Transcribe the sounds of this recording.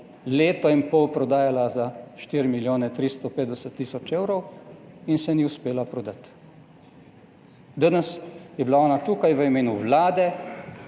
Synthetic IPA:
leːt̪ɔimpɔwpɾɔd̪aːjalazaʃt̪iːɾimiljoːnɛt̪ɾist̪ɔpeːt̪d̪ɛsət̪ːiːsɔt͡ʃeːwɾɔw | insɛniuspeːlapɾɔd̪at̪ | d̪ənəsjɛbilaɔːnat̪ukajʋəimeːnuʋlaːd̪ɛ

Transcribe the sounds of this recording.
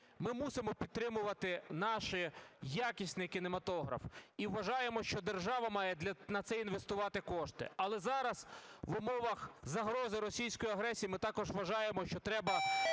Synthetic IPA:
mɪmusɪmɔpʲid̪̚t̪ːɾɪmʊʋɐt̪ɪnɑʃɪjakʲisʲnɪkʲinemɐt̪ɔɦɾɐ̰fiʋʋːɐʒɑjemɔʃt͡ʃɔd̪erʒɑʋɐmɑjɛd̪lʲɐnɐt̪sɛinʋe̞st̪ʊʋɑt̪ɪkɔʃt̪ɪ̰ɐlˠɛzɑɾɐsʋʊmɔʋɐxzɐɦɾɔzɪɾɔsʲijsʲkɔjiɐɦɾɛsʲijimɪt̪ɑkɔʒʋɐʒɑjemɔʃt͡ʃɔt̪ɾɛbɐ

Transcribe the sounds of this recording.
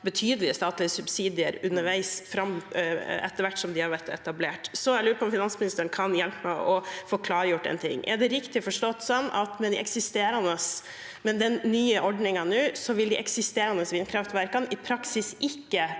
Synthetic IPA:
bət̪ʰyːd̪əlɪəst̪ɑːt̪lɪəsʉbsiːd̪ɪəɾʉnːəɾʋæɪsfɾɑm | ɛ̰t̪ːəɾʋæʈːsɔmd̪ɪhɑɾʋæɾt̪ɛ̰t̪ɑbleːʈsɔɾɛlʉːɾəpʰɔmfɪnɑnsmɪnɪst̪əɳkʰɑnjɛlpəmæɪʔɔfoːkʰlɑːɾəjʊʈːɛ̰nt̪ʰɪ̰ŋːɛɖɛɾɪkt̪ɪfɔʂʈɔt̪ːsɔnːɑ̰t̪mɛnd̪ɪɛksɪst̪eːɾɑnəs | mɛnd̪ɛnːyːəʔɔɖɳɪŋɑnʉːsɔʋɪld̪ɪʔɛ̰ksɪst̪eːɾɑnəsʋɪnkʰɾɑft̪ʋæɾkɑnɪpʰɾɑksɪsʔɪkːə

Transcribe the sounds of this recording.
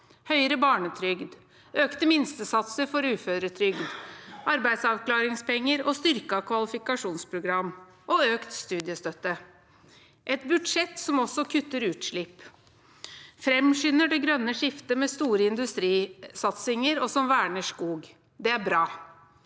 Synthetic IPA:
hœʏɾəbɑːɳət̪ʰɾʏɡd̪ | ʔøːkt̪əmɪnst̪əsɑt̪səɾfɔɾʉːføːɾət̪ʰɾʏɡd̪ʔɑɾbæɪd̪sɑʋklɑːɾɪŋspɛŋːəɾɔst̪ʏɾkɑkʰʋɑlɪfɪkɑʂuːnspʰɾʊɡɾɑmː | ʔɔøːkt̪st̪ʉːd̪ɪəst̪œt̪ːə | ʔɛt̪bʉd̪ʂɛt̪ːsɔmɔsɔkʰʉt̪ːəɾʉːt̪ʂɭɪp | fɾɛmʂʏnəɖɛɡɾœnːəʂɪft̪əmɛst̪uːɾəɪnd̪ʉst̪ɾiːsɑt̪sɪŋəɾɔsɔmʋæːɳəʂkuːɡ | d̪ɛæɾbɾɑː

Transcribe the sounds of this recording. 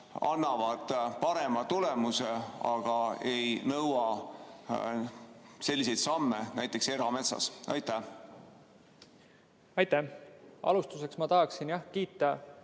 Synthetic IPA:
ɑnːɑvɑd̪̥pɑɾe̞mɑt̪ulemuseɑɡ̥ɑe̞jnɤwɑ | se̞lːise̞jt̪sɑmːenæjt̪ːˑe̞kse̞ɾɑme̞t̪sɑ̰sɑ̰jt̪ːæh | ɑjt̪ːæɑ̰lust̪use̞ksmɑt̪ɑɦɑksinjɑhkiːt̪ːˑɑ

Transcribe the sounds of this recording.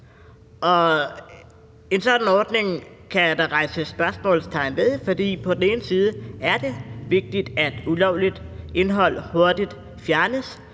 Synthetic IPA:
ʔɒ̽ | e̝nsɒ̽d̥n̩ɒːd̥ne̝ŋ | kʰæd̥ɑʁɑ̈ɪsəsb̥ɶɐsmɔ̰̽ːl̩st͡sʰɑ̈ɪnʋeðˠfɒd̥ḭːpʰɒ̽d̥n̩e̝ːnəsiːð̞ˠəæɐd̥e̝ʋe̝ɡ̥̚d̥id̥æd̥ulɒʊ̰lid̥e̝nɦɒ̽l̰ho̝ɐd̥id̥ | fjæɐnəs

